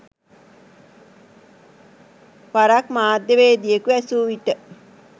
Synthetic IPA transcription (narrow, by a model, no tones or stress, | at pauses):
paɾakmaːd̪jəʋeːd̪ijəkuæsuːʋiʈə